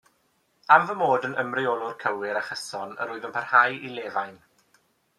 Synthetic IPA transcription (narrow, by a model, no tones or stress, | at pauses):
amvəmoːdənəmrɪɔlˠʊrkʰəwɪɾaχəsɔnə̰ɾʊːɨðənpʰarhajʔilˠeːvajn